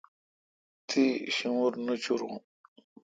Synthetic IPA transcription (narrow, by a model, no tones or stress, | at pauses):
t̪ʰiɕimuɾnut͡ɕuɾũ